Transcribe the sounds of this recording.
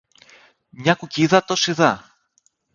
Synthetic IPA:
mɲɐkuciðɐt̪osiðɐ

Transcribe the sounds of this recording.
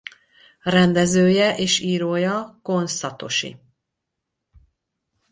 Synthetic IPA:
rɛnd̪ɛzøːjɛʔeːʃiːɾoːjɒko̞nsɒt̪o̞̰ʃḭ

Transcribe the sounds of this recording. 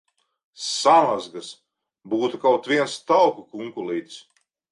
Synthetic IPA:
samazɡas | buːt̪ukawt̪vʲiɛnst̪awkukuŋkulˠiːt̪s

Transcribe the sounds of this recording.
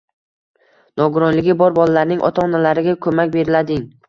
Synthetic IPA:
nɒɡʊɾɒnlɪɡʲɪbɒɾbɒlalaɾnɪŋʔɒ̰t̪ʰaɒnalaɾɪɡʲakʰɵmakʲbe̞ɾɪlad̪ɪŋ

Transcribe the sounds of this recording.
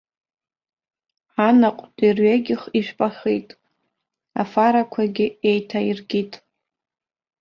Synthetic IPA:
anaqʷʼtʼirɥaɡʲɪχiʃᶣʷpʼaχijtʼ | a̰faɾakʷʰaɡʲɪejtʰairɡʲitʼ

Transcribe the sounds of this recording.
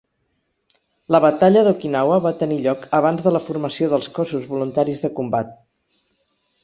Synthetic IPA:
ləβət̪aʎəðukinawəβat̪əniʎɔkəβ̞anzðələfurməsioðəlˠskɔsuzβulunt̪aɾizðəkumbat̪̚

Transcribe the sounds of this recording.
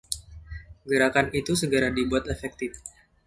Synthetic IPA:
ɡəɾakanit̪usəɡəɾadibuat̪efɛk̚t̪ɪf

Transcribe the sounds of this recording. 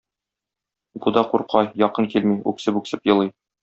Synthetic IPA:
bud̪ɑquɾqɑjjɒqɤŋkilmiʉ̰ksɘpʉksɘpjɤ̆lˠɤj

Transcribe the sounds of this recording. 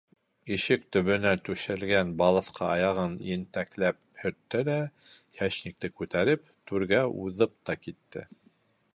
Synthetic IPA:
iʃɘk̚t̪ɵ̆βɵ̆næt̪ʉʃɘ̆lɡænbɑlˠɤ̆θqʰɑɑjɑʁɤnjɘ̆nt̪æklæp̚hɵ̆ɾt̪ːɘlæ | hæʃnik̚t̪ɘkʉt̪æɾɘpt̪ʉɾɡæuðɤp̚t̪ɑkit̪ːɘ̰

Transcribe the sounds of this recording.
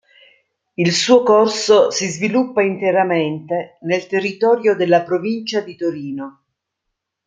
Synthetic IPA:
ilsuːokorsosizvilupːaint̪eɾament̪enelt̪erːit̪ɔːɾjod̪elːapɾovint͡ʃad̪it̪oɾiːno

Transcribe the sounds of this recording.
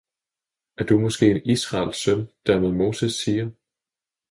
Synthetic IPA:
æɐd̥umɒ̽sɡ̥e̝̰ːenisʁɑ̈lsœnd̥æɐmeðˠmo̝ːsesiːɐ

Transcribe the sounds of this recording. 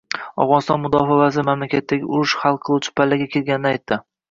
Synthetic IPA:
ɒ̰wʁɒnɪst̪ɒnmʊd̪ɒfavazɪɾɪmamlakʲʰat̪ʰːaɡʲɪ̰ʊɾʊʃχɑlˠqʰɨlˠut͡ʃʰɪ̥pʰalːaɡʲakʲʰelɡʲanɪnɪajt̪ʰːɪ

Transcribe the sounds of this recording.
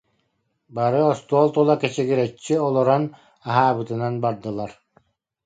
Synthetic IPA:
baɾɯɔst̪uɔlˠt̪ɔlˠakɛt͡ɕɛɡiɾɛt͡ɕːiɔlˠɔɾɔn | aɦaːbɯt̪ɯnanbaɾd̪ɯlˠaɾ

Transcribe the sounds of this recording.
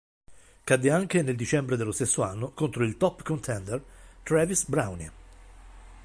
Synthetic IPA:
kad̪ːeaŋk̟eneld̪it͡ʃɛmbɾed̪elːost̪esːoanːokont̪ɾoilt̪ɔpːkont̪ʰɛnd̪ert̪ɾɛvisbɾawni

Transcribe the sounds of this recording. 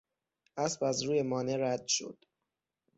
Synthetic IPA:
ʔæsbæzɾuːje̞mɒːne̞ɾæd̪̥ʃo̞̰d̪̥

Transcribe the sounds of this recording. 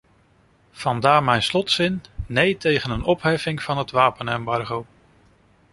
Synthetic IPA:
v̥ɑndaːɹmɛjnslɔtsɪnːejtejχənənɔpɦɛfɪŋv̥ɑnɦətʋaːpənɛmbɑɹχow

